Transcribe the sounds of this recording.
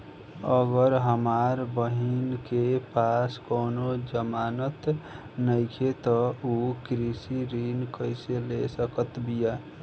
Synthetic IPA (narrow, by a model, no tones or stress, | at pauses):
əɡəɾɦəmaɾbəɦinkepaskoːnod͡ʒəmaːnət̪ | nəɪkʰet̪ɔukɾisiɾinkəɪselesəkət̪bija